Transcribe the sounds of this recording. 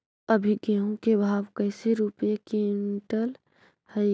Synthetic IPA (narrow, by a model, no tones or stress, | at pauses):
əbʱiɡẽːɦũkebʱaːʋkəɪseɾupjekiɪɳʈəl | hə